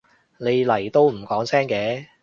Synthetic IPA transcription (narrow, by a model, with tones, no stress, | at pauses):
ne˨˧jlɐ˨˩jt̪o˧wm̩˨˩kɔː˨˥ŋsɛː˥ŋkɛː˨˥